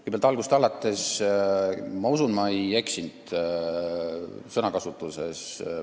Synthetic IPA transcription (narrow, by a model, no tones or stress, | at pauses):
kujbælt̪ɑlɡust̪ɑlɑt̪ːˑes | mɑusunmɑeje̞ksind̪̥ | sɤnɑkɑsut̪ːˑuse̞s